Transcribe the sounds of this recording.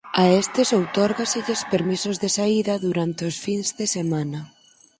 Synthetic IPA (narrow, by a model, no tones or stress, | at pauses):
aest̪ɪsowt̪ɔɾɣasiðespeɾmisʊzðesaiðɐðuɾant̪eosfinzðesemanɐ